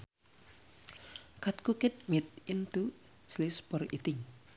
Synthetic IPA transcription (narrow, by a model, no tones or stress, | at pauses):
kat̪̚kukɪt̪̚mɪt̪̚int̪u | slispɔrit̪ɪŋ